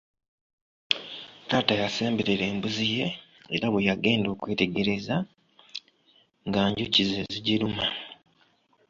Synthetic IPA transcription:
taːtajase̞ːmbeɾeɾe̞ːmbuzije̞ | eɾaβwejaɡe̞ːndo̞ːkwe̞ːte̞ɡe̞ɾe̞za | ŋɡaːɲɟucizeziɟiɾuma

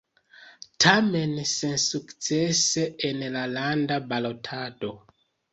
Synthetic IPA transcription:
tʰamensensukt͡seseenlalandabalotʰado

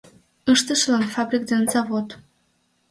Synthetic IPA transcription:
əʃt̪əʃlɑnfɑbrʲik̚d̪enzɑvot̪

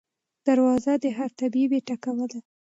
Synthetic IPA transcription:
d̪̥aɾwɑzad̪əɦaɾt̪abibeʈakawəla

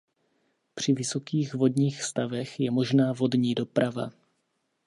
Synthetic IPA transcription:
pr̝̥ɪvɪso̞kiːxvo̞dɲiːxst̪avɛxjɛmo̞ʒnaːvo̞dɲiːdo̞pɾʔava

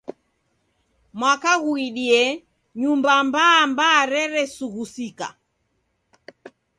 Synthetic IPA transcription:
mwakaɣuiɗiɛ | ɲumbambaːmbaːɾɛɾɛsuɣusika̰

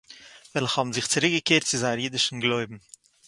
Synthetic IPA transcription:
vɛlˠχhɔbm̩zɪχt͡sɪɾɪk̚ɡəkeːɾtt͡sɪzaɪəɾjiːdɪʃn̩ɡlˠoɪbm̩

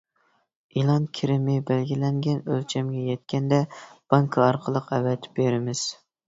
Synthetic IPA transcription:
ilˠɑnkʲʰiɾɪmɪbælɡʲilɛŋɡʲɛnølt͡ʃʰɛmɡʲɛjɛt̪̚kʲɛnd̪ɛb̥ɑŋkʰɑɑɾqʰəlˠəqɛvɛt̪ʰb̥eɾɪmɪz̥

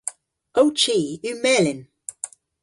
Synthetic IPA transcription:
owt͡ʃiːʉmɛːlɪn

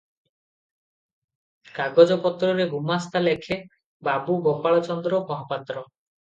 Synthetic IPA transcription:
kaɡɔd͡ʒɔpɔt̪ɾɔɾeɡumast̪alekʰe | babuɡopaɭɔt͡ʃɔnd̪ɾɔmɔɦɔpat̪ɾɔ

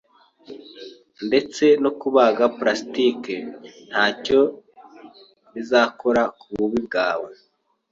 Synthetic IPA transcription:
nde̞t͡se̞no̞kuβaːɡapɾastiken̥haːco̞ | nizaːko̞ɾakuβuβib̚ɡaːwe

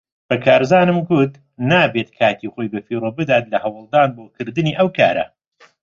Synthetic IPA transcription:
bɐkʰaːɾzaːnɨmɡut̪ | naːbeːt̪kʰaːt̪ʰiːχo̞jbɐfiːɾobɨd̪aːt̪lɐhɐwɨlˠd̪aːnboːkʰɨɾd̪ɨniːʔɐwkʰaːɾɐ̰

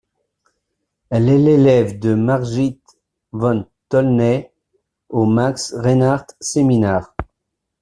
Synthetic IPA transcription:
ɛlɛlelɛvd̪əmaʁʒit̪ | vɑ̃nt̪ɔlnɛ | omaksʁenaʁt̪seminɛːʁ

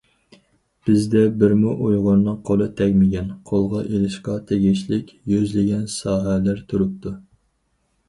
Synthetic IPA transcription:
b̥ɪzd̪ɛbɪɾmuʔojʁʊnːɨŋqʰolˠɨt̪ʰɛkʲmɪɡʲɛnqʰolˠʁɑʔelɪʃqɑt̪ʰeɡʲiʃlɪkʲjyzlɪɡʲɛnsɑːɦælæɾt̪ʰuɾup̚t̪ʰu

